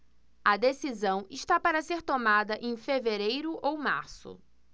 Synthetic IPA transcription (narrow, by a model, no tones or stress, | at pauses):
ɐd̪esizɐ̃w̃iʃt̪apaɾɐseɾt̪omad̪ɐʔẽj̃feveɾejɾʊʔowma̰ɾsʊ̰